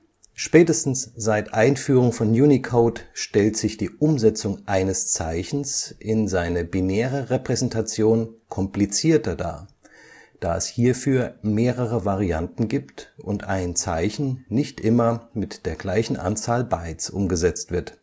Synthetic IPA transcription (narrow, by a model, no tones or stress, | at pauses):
ʃpɛːtəstn̩sz̥aɪtʔaɪnfyːʁʊŋfɔnjuːnikʰoʊtʃtɛltz̥ɪçd̥iːʔʊmzɛt͡sʊŋʔaɪnəst͡saɪçn̩sʔɪnzaɪnəbineːʁ̞əʁepʁ̥ɛzɛntʰat͡sjoːnkʰɔmplit͡siːɐtɐda̰ː | d̥a̰ːɛshiːɐfyːɐmeːʁəʁ̞əvaʁiantn̩ɡiːptʔʊntʔaɪnt͡sa̰ɪçn̩nɪçtʔɪmɐmɪtd̥eːɐɡlaɪçn̩ʔa̰nt͡saːlbaɪt͡sʔʊ̰mɡəzɛt͡stv̥ɪɐt